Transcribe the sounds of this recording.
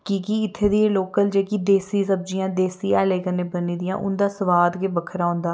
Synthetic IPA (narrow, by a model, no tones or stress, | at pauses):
kiːkiɪt̪ʰːeːd̪ieːloːkəld͡ʒeːkid̪eːsiːsəb̚d͡ʒɪjãːd̪eːsiːɛːleːkəneːbəniːd̪ɪjã̰ːʔʊ̰nd̪aːsəʋaːd̪kebəkʰəɾaːʊ̃nd̪aː